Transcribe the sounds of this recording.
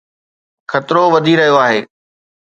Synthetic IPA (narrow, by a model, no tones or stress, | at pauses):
xʰɐt̪ɪɾoʋɐd̪ʱiɾɐɦijoaːɦeː